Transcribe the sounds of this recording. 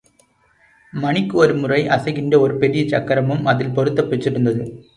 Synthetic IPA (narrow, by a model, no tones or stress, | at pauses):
mɐnɪkːɯɔɾɯmʊrɐɪʔɐsɐɪɣɪɳɖɐɔɾɯpɛɾɪjɐt͡ʃɐkːɐɾɐmɯmɐðɪlpɔɾɯt̪ːɐpːɛt͡ʃːɪɾɯnd̪ɐðɯ